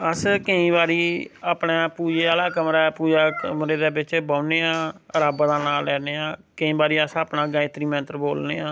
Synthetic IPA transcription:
əskəĩːbaːɾiːaːpneːpuːd͡ʒaːlaːkəmɾaːpuːd͡ʒaːkmɾeːd̪eːbɪt͡ʃbaːʊneːãːəɾaːbaːd̪aːnaːɛːneːãːkəĩːbaːɾiːəsaːpnãːɡaːẽːt̪ɾiːmɛ̃ːt̪əɾboːlneːãː

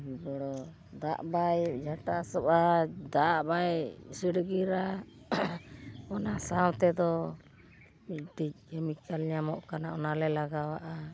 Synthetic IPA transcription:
bibɔɽɔ | d̪a̰ʔbajd͡ʒaʈasɔbad̪aʔbajsiɽɡiɾa | ɔnasawt̪ɛd̪ɔ | mic̚ʈic̚ɛmit̪̚kalɲamɔʔkanaɔnalɛlaɡawaʔa

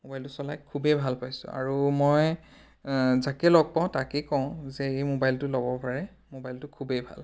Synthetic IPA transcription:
mobajltʊsɔlajkʰːubɛbʱalpajsʊ̰a̰ɹumɔj | zakɛlɔɡ̚paʊ̃takɛkɔʊ̃zɛejmobajltʊlɔbɔpaɹɛ | mobajltʊkʰubebʱa̰l

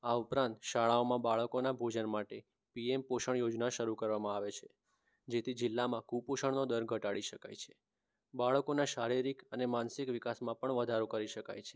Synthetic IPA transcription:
aupɾãnt̪ʃaɭaomãbaɭəkonabʱod͡ʒənmaʈe | piempoʃəɳjod͡ʒnaʃəɾukəɾʋamãaʋet͡ʃʰe | d͡ʒet̪ʰid͡ʒɪlːamãkupoʃəɳnod̪əɾɡʱəʈaɭiʃəka̰jt͡ʃʰe̥ | baɭəkonaʃaɾiɾikənemansikʋɪkasmãpəɳʋəd̪ʱaɾokəɾiʃəka̰jt͡ʃʰe̥

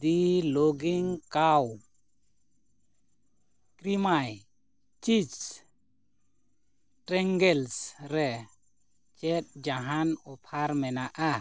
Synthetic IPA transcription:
d̪iloɡiŋkaw | kɾimaj | t͡ʃit͡ʃ | ʈɾɛŋɡɛlsɾɛ | t͡ʃɛt̪̚d͡ʒaɦanɔpʰaɾmɛnaʔa

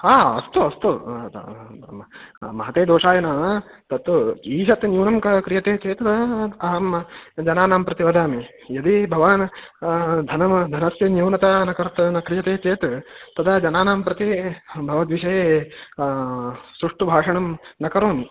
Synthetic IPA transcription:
aːɐ̰st̪uɐst̪ṵ | mɐɦɐt̪eːd̪oːʂaːjɐnɐ | t̪ɐt̪ːuiːʃɐt̪njuːnɐmkɐkɾijɐt̪eːt͡ʃeːt̪ɐɦɐmd͡ʒɐnaːnaːmpɾɐt̪iʋɐd̪ʱaːme | jɐd̪ibʱɐʋaːn | d̪ʱɐnɐmd̪ʱɐnɐsjɐnjuːnɐt̪ɐnɐkɐɾt̪nɐkɾijɐt̪eːt͡ʃeːt̪t̪ɐd̪ɐd͡ʒɐnaːnaːmpɾɐt̪ibʱɐʋɐd̪ʋiʃɐje | sɾuʂʈubʱaːʂɐɳɐmnɐkɐɾoːmi

